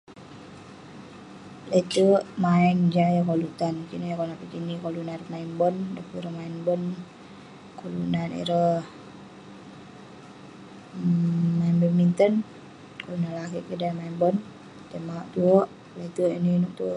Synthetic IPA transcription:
lat̪əʔmaɛnd͡ʒajakolut̪ankinajakolnapikinikolunaɾəmaimbəndapuɾəhmainbən | kolṵnanḭɾəh | maimbəmint̪ən | kolunanlakiʔkidamainbən | t̪əmaaʔt̪uəʔ | lat̪uʔininuʔt̪uəʔ

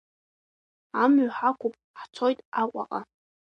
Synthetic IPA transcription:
amɥħakʷʊpʼ | ħt͡sʰo̞jtʼaqʷʼa̰qʼa

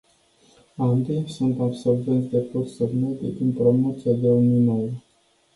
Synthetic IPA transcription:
and̪isunt̪abso̞rvent̪sʲd̪e̞pot̪ssubmed̪eʔɨnpɾo̞mot̪siad̪euminolə

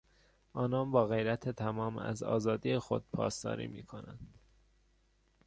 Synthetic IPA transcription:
ʔɒːnɒːnbɒːɣe̞jɾæt̪ʰet̪ʰæmɒːmæ̰zɒ̰ːzɒːd̪ijexo̞d̪̥̚pʰɒ̰ːst̪ɒ̰ːɾḭːmḭːkʰo̞næ̰nd̪̥

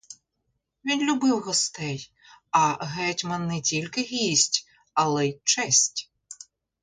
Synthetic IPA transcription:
ʋʲinlʲʊbɪwɣɔst̪ɛj | ɐɦɛtʲmɐnːɪtʲilʲkɪɦʲisʲtʲ | ɐlˠɛt͡ʃɛsʲtʲ

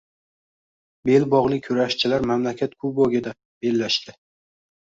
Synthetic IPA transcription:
be̞lbɒʁlˠɪkʲʰɵɾaʃt͡ʃʰɪlaɾmamlakʲʰat̪̚kʰʊboɡʲɪd̪a | b̥elːaʃt̪ɪ

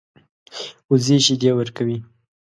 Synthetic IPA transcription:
uzeʃid̪ewəɾkawi

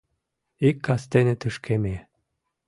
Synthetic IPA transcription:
ikːɑst̪enĕt̪uʃkʰeme

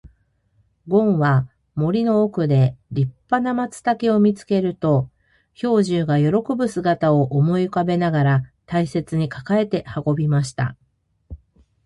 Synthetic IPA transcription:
ɡõ̞ɰ̃βa | mo̞ɾʲino̞ːkɯ̟d̪e̞ɾʲipːanamat͡sɨ̥t̪ake̞o̞mʲit͡sɨ̥ke̞ɾɯ̟t̪o̞ | ço̞ːʑɨːɡajo̞ɾo̞ko̞bɯ̟sɨɡat̪aoʔomo̞ikabe̞naɡaɾat̪aise̞t͡sɨɲ̟ikḁkae̞t̪e̞hako̞bʲimaɕi̥t̪a̰

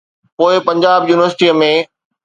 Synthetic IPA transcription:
poːɪpɐ̃ɲd͡ʑaːbjuːnɪʋəɾsɪʈiːəmẽ

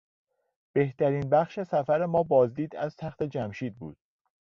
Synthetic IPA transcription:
b̥e̞ht̪æɾiːnbæχʃe̞sæfæɾemɒːbɒːzd̪iːd̪æ̰z̥t̪ʰæxt̪ʰe̞d͡ʒæmʃiːd̪̚bṵːd̪̥̚

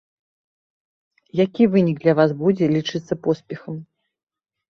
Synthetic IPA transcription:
jakʲivɨnʲiɡd̪lʲɐvasbud͡zʲɛlʲit͡ʂɨt̪sːɐpɔspʲɛxɐm

